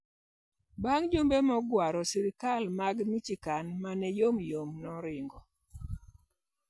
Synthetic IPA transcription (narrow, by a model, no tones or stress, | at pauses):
baŋd͡ʒombemɔɡwaɾɔsiɾikalmaɡmit͡ʃikanmanɛjomjomnɔɾɪŋɡɔ